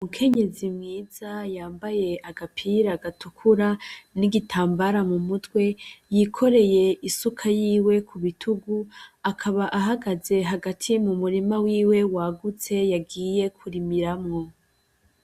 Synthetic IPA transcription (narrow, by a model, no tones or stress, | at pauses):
umukʰe̞ɲe̞zimŋiːz̥ajaːmbaje̞ʔaɡapʰiɾaɡatukʰuɾaniɡitʰaːmbaɾamumutwe̞jikʰo̞ɾe̞je̞ʔisukʰajiːwe̞kʰuβitʰuɡuakʰaβaʔaɦaɡaze̞ɦaɡatʰimumuɾimawiːwe̞waːɡut͡se̞jaɡiːje̞kʰuɾimiɾamŋo̞